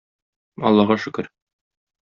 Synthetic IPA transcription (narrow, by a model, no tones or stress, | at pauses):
ɒ̰lˠːɑʁɑʃɵ̆kɘɾ